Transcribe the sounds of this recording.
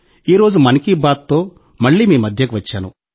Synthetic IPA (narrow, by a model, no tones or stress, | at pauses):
iːɾo̞ːd͡ʒumɐnikibaːt̪t̪o̞ː | mɐɭːiːmiːmɐd̪ʱjɐkuʋɐt͡ʃːaːnu